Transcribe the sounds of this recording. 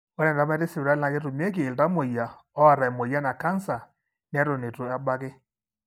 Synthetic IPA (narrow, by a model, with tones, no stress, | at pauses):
ɔ˦ɾɛ˨da˨˦mɛ˦ɾe˦si˨wɾa˦na˨˦ke˦ɾo˨mi˦ɛ˦k̬eː˨lda˦mo˨ja˨ɔ˦a˨ɾa˨e˨mo˨ja˦na˨ka˦nsa˨ | n˦ɛ˦ɾo˨ne˨to˨a˦ɓa˦kɪ˦